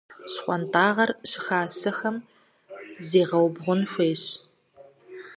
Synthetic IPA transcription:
ɕχʷɔntʰaːʁɐrɕɪxaːsɨxɐm | zeːʁɐwbʁʷʊnɕʷeːɕ

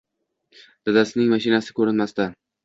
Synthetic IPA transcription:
d̪̥ad̪asɪnɪŋmaʃɪnasɪ̥kʰɵɾɪnmast̪a

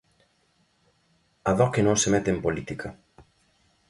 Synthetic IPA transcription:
aðɔkenõŋsemɛt̪empolit̪ikɐ

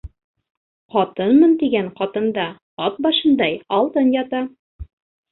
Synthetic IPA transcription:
qɒt̪ɤnmɤnt̪iɡæŋqɒt̪ɤ̆nd̪ɑ | ɒt̪̚bɑʃɤ̆nd̪ɑjɒlˠt̪ɤnjɑt̪ɑ

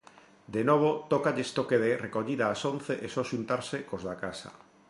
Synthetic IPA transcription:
d̪enoβ̞ot̪okaʎest̪okeðerekoʎiðaːsonθeʔesɔʃunt̪aɾsekozðakasa̰

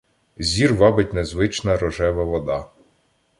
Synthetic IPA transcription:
zʲirʋɑbɪtʲnezʋɪt͡ʃnɐɾɔʒɛʋɐʋɔd̪ɑ

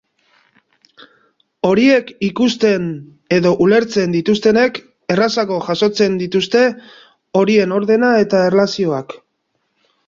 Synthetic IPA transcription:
o̞ɾie̞kikust̪e̞n | eðo̞ʔule̞ɾt͡se̞nd̪it̪ust̪e̞ne̞k | e̞rasaɣo̞ʝaso̞t͡se̞nd̪it̪ust̪e̞ | o̞ɾie̞no̞ɾðe̞nae̞t̪aerlasio̞ak

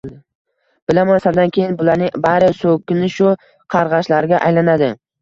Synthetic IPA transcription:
b̥ɪlamansaɾd̪ankʲʰe̞jɪnbʊlaɾnɪbaɾɪsokʲʰːɪnɪʃʊ | qʰɑɾʁɑʃlaɾɡʲaʔajlanad̪ɪ

